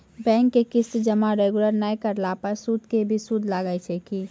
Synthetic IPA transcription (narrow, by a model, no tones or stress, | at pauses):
bɛ̃ːŋkːekɪsd͡ʒəmaɾeɡuləɾnaikəɾlapəɾsud̪kebʱisud̪ʱlaɡəjt͡ʃʰɛki